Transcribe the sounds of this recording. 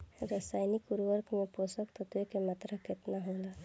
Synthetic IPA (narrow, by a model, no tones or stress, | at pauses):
ɾəsaːjnikuɾʋəɾkʰmẽposəkt̪ɔt̪ekemat̪ɾakɪt̪naɦõːld̪a